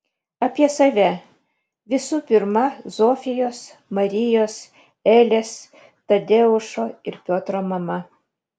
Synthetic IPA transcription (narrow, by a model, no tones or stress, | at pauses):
ɐpʲiɛsɐʋʲɛ | ʋʲɪsuːpʲɪɾmɐzoːfʲɪjoːsmɐɾʲɪjoːs | ɛːlʲeːs | t̪ɐd̪ʲeʊʃoːɪɾpʲoːt̪ɾoːmɐmɐ